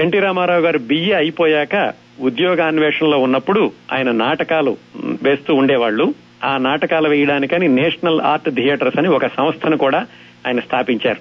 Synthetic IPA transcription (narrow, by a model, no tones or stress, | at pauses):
eɳʈiːɾaːmaːɾaːwɡaːɾubijeɐjipoːjaːkɐ | ud̪jɔːɡaːnʋeːʂɐnlo̞ːunːɐpːuɽua̰ːjɐnɐnaːʈɐkaːluʋe̞ːst̪uːɳɖɛːʋaːɭːu | aːnaːʈɐkaːluʋɛːjɐɽaːnikɐninɛːʂɐnɐla̰ːɾʈd̪ʱijeːʈɐɾsɐniɔkɐsɐmɐst̪ʰɐnukuːɽaː | aːjɐnɐst̪ʰaːpiɲt͡ʃaːɾu